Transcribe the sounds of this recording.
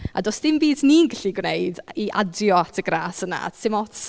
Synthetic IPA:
a̰dɔsd̥ɪmbiːdniːnɡaɬiɡwnejdiʔadjɔatʰəɡraːsəna̰sɪmɔt

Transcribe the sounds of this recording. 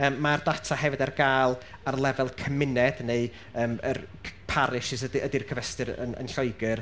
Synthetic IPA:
əːmːardatʰahɛvɨdarɡaːlˠ | arlˠɛvɛlˠkʰəmɪnɛd̥neɨ | əːmə̰rʰpʰaɾɪʃɪsədədirkʰəvɛstɨɾə̰nə̰nɬɔɨɡɨr

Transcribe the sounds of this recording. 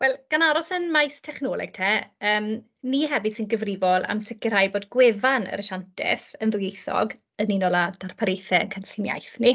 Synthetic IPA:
wɛlˠɡ̥anaɾɔsənmajstʰɛχnɔlˠɛ̰ɡ̥̚tʰɛːəːm | niɦɛvɨd̥sɪnɡəvrɪvɔlˠa̰msɪkɪɾajboːdɡwɛvanə̰ɾəʃantʰɛ̰θənðʊjejθɔ̰ɡ | əninɔlˠad̥arpʰaɾejθɛə̰nkʰənɬɪnja̰jθni

